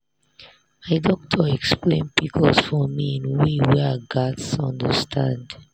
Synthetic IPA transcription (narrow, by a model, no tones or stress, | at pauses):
maɪdɔk̚tʰɔɛksplẽnbikʰɔsfɔmiĩnwewɛɡatsɔ̃ndəstʰãnd